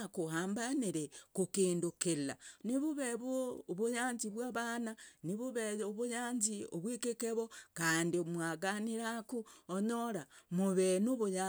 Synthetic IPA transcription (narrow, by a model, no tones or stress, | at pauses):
kuhaːmbaniɾekukiːndukila̰niβuβeβwoːβujaːɲziβwaβananiβuβeoβujaːɲzioβwikekeβokaːndiomwaɡaniɾakuoɲoɾamuβenuβuja